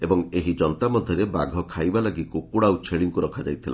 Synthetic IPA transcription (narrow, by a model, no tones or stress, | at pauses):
ebɔŋeɦid͡ʒɔnt̪amɔd̪ʱjɔɾebaɡʱɔkʰajbalaɡikukuɽawt͡ʃʰeɭiŋkuɾɔkʰad͡ʒa̰jt̪ʰila̰